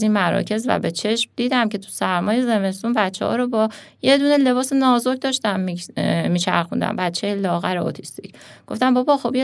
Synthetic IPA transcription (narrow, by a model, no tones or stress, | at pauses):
inmæɾɒ̰ːcʰe̞zvæ̰be̞t͡ʃʰe̞ʃmd̪iːd̪æmcʰe̞t̪ʰu̥sæɾmɒːje̞ze̞me̞st̪unbæt̪t͡ʃʰːḛhɒ̰ːɾobɒje̞d̪uːne̞le̞bɒːsenɒːzoɾɡ̚d̪ɒːʃt̪æmmiːʃʰæɾxund̪æ̰mbæt̪t͡ʃʰːejelɒːɣæɾeo̰t̪ʰi̥st̪icɡ̥o̞ft̪æmbɒbɒxo̞bje